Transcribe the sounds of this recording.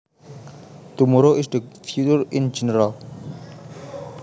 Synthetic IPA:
t̪umɔɾoʔɪsd̪əfjut͡ʃəɹĩnd͡ʒɛnəɾal

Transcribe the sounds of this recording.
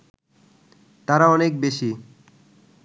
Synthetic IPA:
t̪aɾaɔnek̚beʃi

